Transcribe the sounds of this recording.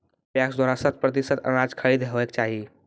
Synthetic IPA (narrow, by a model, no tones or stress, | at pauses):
pjaksd̪waɾasət̪̚ʰpɾət̪isət̪ə̰ɾad͡ʒkʰəɾid̪ɦeʋək̚t͡ʃaɦi